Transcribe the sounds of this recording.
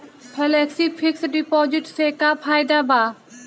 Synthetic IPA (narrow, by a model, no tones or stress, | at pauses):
pʰɛlɛːksiːpʰɪksɖɪpoːzɪʈseːkaːpʰaːɪd̪aːbaː